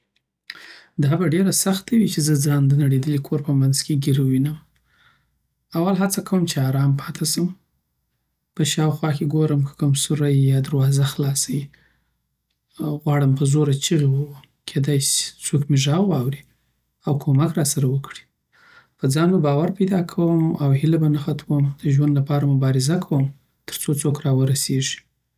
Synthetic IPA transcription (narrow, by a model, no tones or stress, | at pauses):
d̪ɑbaɖeɾasaxt̪awit͡ʃezəd͡zɑnd̪ənaɽed̪əlikʰoɾpəmanz̥keɡiɾwinəm | awalɦat͡sakawəmt͡ʃeɑɾɑmpʰɑt̪ʰasəm | pəʃɑwxwɑkeɡoɾəmkə̥kʊmsʊɾajjɑd̪aɾwɑzaxlɑsawi | ɣwɑɽəmpəzoɾat͡ʃiɣewəw | kʰed̪ɑjsi̥t͡sokmeʒɑwwɑwɾi | awkʰomakɾɑsaɾawəkɽi̥ | pəd͡zɑnbabɑwaɾpajd̪ɑkʰawəmawhɪlabanaxat̪ʰwəmd̪əʒwand̪lapɑɾamʊbɑɾɪzakʰawəm | t̪ʰə̥ɾt͡sot͡sokɾɑwəɾaseʒi̥